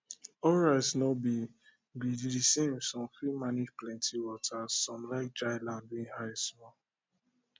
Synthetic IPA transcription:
ɔɹaɪsnɔbi | ɡiddisẽmsɔ̃mfɹimanid͡ʒplɛ̃ntʰiwɔtʰasɔ̃mlaɪk̚d͡ʒaɪlãndwĩŋhaɪsmɔl

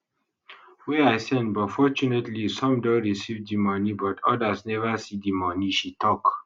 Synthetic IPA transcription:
wɛaɪsɛ̃nbɔtfɔt͡ʃunetlisɔ̃mdõnɹisivdimɔnibɔtʰɔdasnɛvəsidimɔniʃitʰɔk

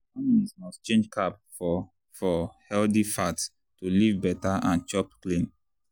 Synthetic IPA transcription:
anismɔst͡ʃẽnd͡ʒkʰap̚ | fɔ | fɔhɛldifat | tulivbɛtaʔãnt͡ʃɔpklĩn

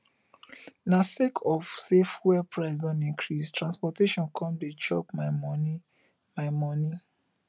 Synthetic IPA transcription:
nasekʰɔfsefwɛpɹaɪs̬dɔ̃nĩkʰɾistɾãnspɔteʃɔ̃nkʰɔ̃nbit͡ʃɔpmaɪmɔni | maɪmɔni

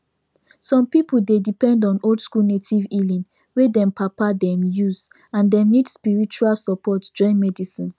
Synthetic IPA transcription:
sɔ̃mpipuldedipɛ̃ndɔ̃noldskunetʰivilĩn | wedɛ̃mpʰapadɛ̃mjuz | ãndɛ̃nidspiɹit͡ʃualsɔpɔtd͡ʒɔ̃ɪ̃nmɛdisĩn

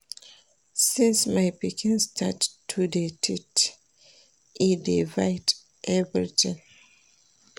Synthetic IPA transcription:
sĩnsmajpikĩnstʰattʰːudetʰit | idivajd | ʔɛvɹḭtʰɪ̃ŋ

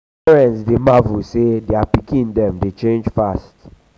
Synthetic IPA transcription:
pɛɹɛ̃ntsdemavusedeapikĩndɛ̃mdet͡ʃẽnd͡ʒfast

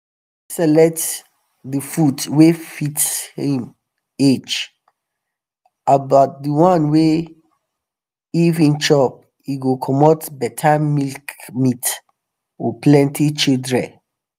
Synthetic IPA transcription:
isɛlɛk̚t | difutwefitshĩm | ed͡ʒ | abat̚dəwãnwe | ivĩnt͡ʃɔp̚ | iɡokʰɔmɔtbɛtʰamilkmit | ɔplɛ̃ntʰit͡ʃildɹɛ̰̃n

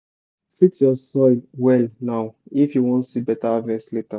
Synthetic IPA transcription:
spiktjɔsɔlwɛlnaʊifjuwɔ̃ntsibɛtavɛsleta

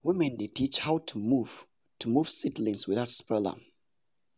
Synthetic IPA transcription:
wimɛ̃ndetʰit͡ʃhawtʰumuv | tʰumuv̥sitlĩnswiðaʊtspɛlə̰

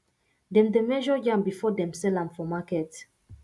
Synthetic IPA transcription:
dɛ̃mdemɛʒɔjãmbifɔdɛ̃msɛlãmfɔmakɛt

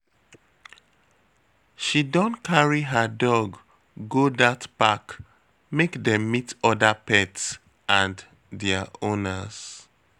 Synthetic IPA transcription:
ʃidɔ̃nkʰaɹiɦədɔɡː | odatpak | mekdɛ̃mːitɔdapɛts | ãn | dɛaʔõnəz̥

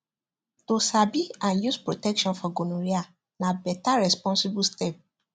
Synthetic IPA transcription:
tosabiãnjuspɹotɛkʃɔ̃nfɔɡonũɾia | nabɛtaɹɛspɔ̃nsibustɛp̚

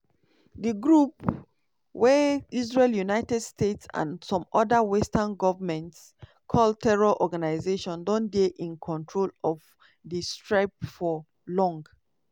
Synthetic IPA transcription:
diɡɹup | wɛizɹeljunaɪtɛdstetsã̰nsɔ̃mɔdəwɛstanɡɔvəmɛ̃nts | kʰɔl̚tʰɛɹɔʔɔɡanaɪzeʃɔ̃ndɔ̃ndeʔĩnkʰɔ̃ntʰɹolɔv | distɹaɪp̚fɔ | lɔ̃ŋɡ

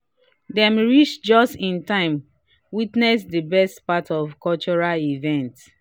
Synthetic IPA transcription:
dɛ̃mɹit͡ʃd͡ʒɔstĩntãɪ̃m | witnɛs̬dəbɛstpatʰɔvkɔlt͡ʃɔɹalivɛ̃nt

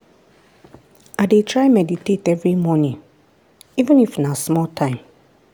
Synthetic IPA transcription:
aɪdetʰɹaɪmɛditʰetɛvɹimɔnĩŋ | ivə̃nifnasmɔltʰãɪ̃m

